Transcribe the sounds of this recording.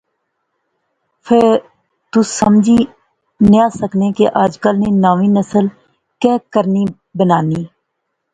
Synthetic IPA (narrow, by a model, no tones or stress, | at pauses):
pʰe | t̪usəmd͡ʒʱiː | njaːsəkneːkeʔaːd͡ʒkəlneːnaːʋiːnəsəl | kɛːkəɾniː | bənaːniː